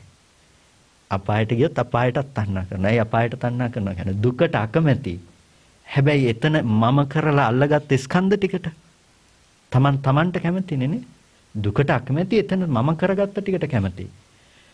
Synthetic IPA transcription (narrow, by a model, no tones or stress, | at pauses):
a̰paːjəʈəɡijot̪ːapaːjəʈat̪ːanːaːkəɾnɛjapaːjəʈət̪anːaːkərnoʋaːkæ̰ned̪ukəʈəakəmɛt̪ḭ | hɛbɛjet̪ənəmaməkəɾəlaːlːɐɡat̪ːiskʰand̪əʈikəʈə | t̪amant̪amaɳʈəkæmət̪inene | d̪ukəʈəakəmɛt̪iet̪ənəmaməkəɾəɡat̪ːɐʈikəʈəkæmət̪ḭ